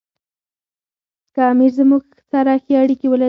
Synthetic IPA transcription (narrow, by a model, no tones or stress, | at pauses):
kɑmiɾzəmuɡxt͡saɾɑxeaɽikiwəla